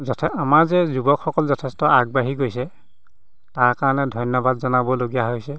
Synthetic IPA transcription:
zɔtʰɛamaɹzɛzubɔkʰxɔkɔlzɔtʰɛstɔaɡ̚baɦiɡojsɛ | taɹkaɹɔnɛdʱɔjnjɔbadzɔnabɔloɡijaɦojsɛ

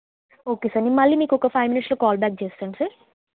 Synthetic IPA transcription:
oːkeːsaɾnimɐlːiːmiːkɔkɐpʰɐjʋminiʈsloːkaːlbaːk̚t͡ʃeːst̪aːɳsa

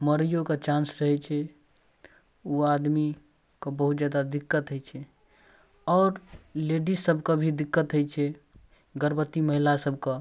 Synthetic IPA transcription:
məɾijoket͡ʃãnsɾəɦɛt͡ʃʰɛ | uad̪mi | kebəɦut̪d͡ʒad̪ad̪ikːət̪ɦət͡ʃʰɛ | ɔːɾleɖisːəbʱkəbʱid̪ikːət̪ɦəjt͡ʃʰɛ | ɡəɾbət̪ːiməɦilasəb̚ʱkə

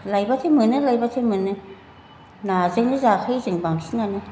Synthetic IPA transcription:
lajbat̪ʰɯmɯnɯlajbat̪ʰɯmɯnɯ | nazɯŋlɯzakʰajzɯŋbaŋsiŋanɯ

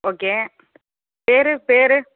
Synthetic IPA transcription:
oːkeː | peːɾɯpeːɾɯ

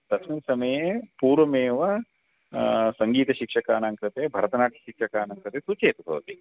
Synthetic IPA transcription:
t̪ɐkʰminsɐmɐjepuːɾʋɐmeːʋɐ | sɐŋɡiːt̪ɐʃikʂɐkaːnɐŋkɾɐt̪ebʱɐɾɐt̪ɐnaːʈʰɐ̥ʃikʂɐkaːnɐŋkɾɐt̪esut͡ʃeːt̪ɐbʱɐ̰ʋɐt̪i

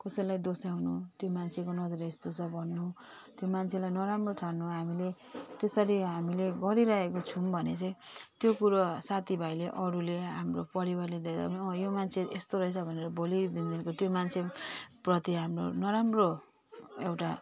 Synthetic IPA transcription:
kʌsʌjlajd̪osaunut̪jomant͡sʰekonʌd͡zʌɾiest̪ot͡sʰʌbʱʌnːu | t̪jomant͡sʰelajnʌɾamroʈʰanːuɦamile | t̪esʌɾiɦamileɡʌɾiɾaɦekot͡sʰumbʱʌnet͡sʌj̃t̪jokuɾʌsat̪ʰibʱajleʔʌɾuleɦamropʌɾibarled̪ad̪a̰bnʌjomant͡sʰeest̪oɾʌɦet͡sʰʌbʱʌneɾʌbolid̪ind̪inkot̪jomant͡sʰeprʌt̪iɦamro̰nʌɾamro | ewʈa

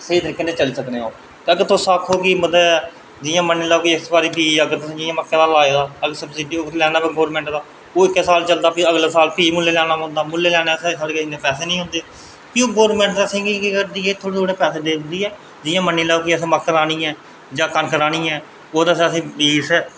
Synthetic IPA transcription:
səiːt̪əɾiːkːeːneːt͡ʃəliːsəkneːoː | t̪eəɡəɾt̪osaːkʰoːkiːməd̪aːɛː | d͡ʒɪːjãːmənːiːlaːkiːəksbaːɾiːpiːəɡəɾt̪ʊsĩːd͡ʒɪjãːməkːeːd̪aːlaːeːd̪aːəɡəɾsəbsɪɖiːoːlɛːnaːpːɡoːɾmɛ̃ːɳʈd̪aː | oːɪkːɛsaːlt͡ʃəld̪aːpiəɡlaːsaːlpiːmʊlːeːlɛːnaːɦʊ̃nd̪aːmʊlːeːlɛːnaːəseːsaːɽeːkəsiːnd̪eːpɛːseːnĩːɦʊ̃nd̪eː | pioːɡoːɾmɛ̃ːɳʈ̪ːəsĩːkiːkikəɾd̪iːeːt̪ʰoːɽeːt̪ʰoːɽeːpɛːseːd̪eːnd̪iːɛː | d͡ʒɪːãːmənːiːlaːokiːəsẽːməkːəɾaːñiːɛ̃ː | d͡ʒãːkənkəɾaːñĩːɛː | oːt̪əsːəsĩːbiːsɛː

